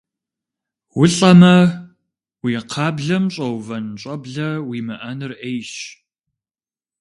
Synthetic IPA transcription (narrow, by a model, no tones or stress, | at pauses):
wʊɬʼɐmɐ | wiːqʰɑːbɮɐmɕʼɐwvɐnɕʼɐbɮɐwiːmɨʔɐnɨrejɕ